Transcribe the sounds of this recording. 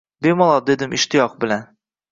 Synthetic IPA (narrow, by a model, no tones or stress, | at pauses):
bemɒlˠɒd̪e̞d̪ɪmɪʃt̪ʰɪjɒqbɪlan